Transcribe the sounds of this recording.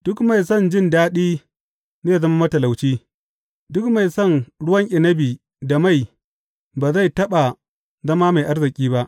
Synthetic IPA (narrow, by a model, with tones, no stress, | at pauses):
d̥ʊ˦kma˨jsɔ˦˨nd͡ʒɪ˦˨ndaː˦ɗiː˦ | neː˦˨zɐ˦ma˦mɐ˦tɐ˨la˨wt͡ʃiː˦ | dʊ˦kma˨jsɔ˦˨nɽʊ˦wɐ˦ŋʔɪ˨nɐ˦biː˨ | da˨ma˦˨j | baː˨za˦jtɐ˦ɓa˨ | zɐ˦maː˦ma˨jʔa˦rzɪ˨kʲʼiː˦ba˦ʔ